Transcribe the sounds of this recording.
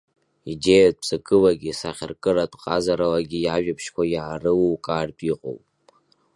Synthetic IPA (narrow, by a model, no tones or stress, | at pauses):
idejad̚pt͡sʼɨkʼɨlaɡʲisaχʲɪ̰rkʼɨɾatʷʰʼqʼazaɾalaɡʲijaʒᶣapʰʃkʷʰajaːrɨwkʼaːrtʼiqʼo̰wpʼ